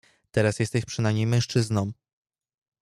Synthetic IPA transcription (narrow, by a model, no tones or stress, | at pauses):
t̪ɛɾasjɛst̪ɛɕpʂɘnamɲejmɛ̃ʂt͡ʂɘznɔ̃m̃